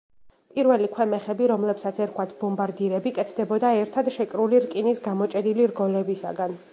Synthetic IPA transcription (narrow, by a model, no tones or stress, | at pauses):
pʼiɾvɛlikʰwɛmɛχɛbiɾɔmlɛpsat̪sʰɛɾkʰwat̪ʰbɔmbaɾd̪iɾɛbikʼɛt̪ʰd̪ɛbɔd̪aɛɾt̪ʰad̪ʃɛkʼɾuliɾkʼinisɡamɔt͡ʃʼɛd̪iliɾɡɔlɛbisa̰ɡan